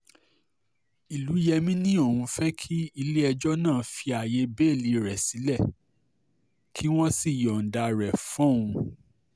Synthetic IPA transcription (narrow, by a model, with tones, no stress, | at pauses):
i˨lu˨˦jɛ˧mĩ˦nĩ˦õ˦˨ũ˧fɛ˦kʰi˦i˧le˦ɛ˧d͡ʒɔ˦nãː˦˨fi˧a˨je˧˦be˦˨li˨˦ɾɛ˨si˨˦lɛ˦˨ | kʰi˦w̃ɔ̃˦si˦˨jɔ˨n̩˨da˧ɾɛ˨fɔ̃˦˨ũ˧